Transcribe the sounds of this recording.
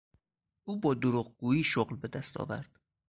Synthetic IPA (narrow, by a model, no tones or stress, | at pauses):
ʔuːbɒːd̪oɾuɣ̚ɡuːjiːʃoɢlbe̞d̪æst̪ʰɒ̰ːvæ̰ɾd̪̥